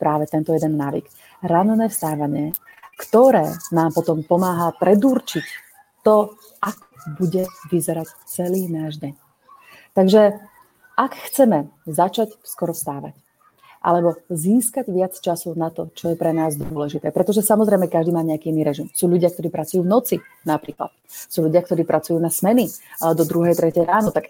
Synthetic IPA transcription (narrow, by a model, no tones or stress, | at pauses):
pɾaːʋɛt̪ɛnt̪ɔjɛd̪ɛnːaːʋḭk | ɾannɛːfst̪aːʋaɲɪɛ | kt̪ɔɾɛ̰ːnaːmpɔt̪ɔmpɔmaːɦapɾɛd̪uːɾt͡ʃic | t̪ɔ | ʔakɔbuɟɛʋizɛɾac | t͡sɛliːnaːʒɟɛɲ | t̪aɡʒɛ | ʔakxt͡sɛmɛzat͡ʃacskɔɾɔst̪aːʋa̰c | ʔa̰lɛbɔziːskaɟʋɪat͡st͡ʃasunat̪ɔt͡ʃɔjɛpɾɛnaːzd̪ɔlɛʒit̪ɛːpɾɛt̪ɔʒɛsamɔzɾɛɪmɛkaʒd̪iːmaːɲɛakiːiniɾɛʒimsuːʎuɟɪak̚t̪ɔɾiːpɾat͡sujuːvnɔt͡si | napɾiːkla̰t̪̚ | suːʎuɟɪakt̪ɔɾiːpɾʔat͡sujuːnasmɛniaɛd̪ɔd̪ɾuɦɛjt̪ɾɛcɛjɾaːnɔt̪ak